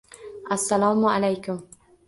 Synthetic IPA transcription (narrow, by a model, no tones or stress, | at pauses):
ʔasːalaːmʕalajkʊm